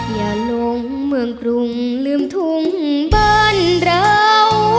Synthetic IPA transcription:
jaː˨˩lo˧ŋ | mɯ˧əŋkɾu˧ŋ | lɯː˧˥mt̪ʰu˧ŋbəː˧nɾəːw

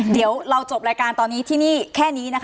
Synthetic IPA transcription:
d̪i˩˦əwɾa˧wt͡ɕo˨˩p̚ɾaː˧jkaː˧nt̪ɔː˧nːiː˦˥t̪ʰiː˥˩niː˥˩kʰɛː˥˩niː˦˥na˦˥kʰ

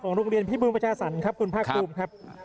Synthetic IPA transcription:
kʰɔː˩˦ŋɾo˧ŋɾi˧ənpʰiː˥˩buː˧ŋpa˧t͡ɕaː˧sa˩˦nkʰɾa˦˥p̚kʰu˧npʰaː˥˩kʰːuː˧mkʰɾa˦˥p̚

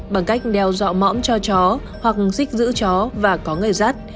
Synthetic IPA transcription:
ɓaː˨˩ŋka˦˥jk̟̚ɗɛ˧wzɔ̰˧˨mɔ̰˧˥mt͡ɕɔ˧t͡ɕɔ˨˦ | hwa˨˩k̚si˦˥k̟̚zɨ̰˧˥t͡ɕɔ˨˦vaː˨˩kɔ˨˦ŋɨ˨˩jzaː˦˥t̚

